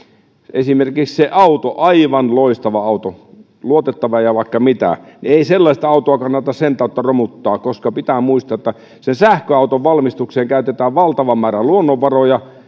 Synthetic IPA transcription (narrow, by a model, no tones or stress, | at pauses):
esimerkiksseʔɑut̪oʔɑiʋɑnloist̪ɑʋɑɑut̪o | luot̪et̪ːɑʋɑjɑʋɑikːɑmit̪æ̰nieiselːɑist̪ɑɑut̪oɑkɑnːɑt̪ɑssent̪ɑut̪ːɑromut̪ːɑːkkoskɑpit̪æːmuist̪ɑet̪ːæ | sensæhkøɑˑut̪oʋʋɑlmist̪ukseːŋkæyt̪et̪æːʋʋɑlt̪ɑʋɑmmæːɾæluonːoʋʋɑrojɑ